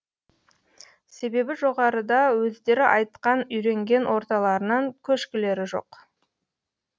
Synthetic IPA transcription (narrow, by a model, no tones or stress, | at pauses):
se̞be̞bɪʒo̞ʁɑɾəd̪ɑwɵzd̪e̞ɾɪʔɑjt̪qɑnʏjɾe̞ŋɡʲe̞nwʔo̞ɾt̪ɑlˠɑɾənɑŋkʲʰɵʃkʲɪle̞ɾɪʒo̞̰q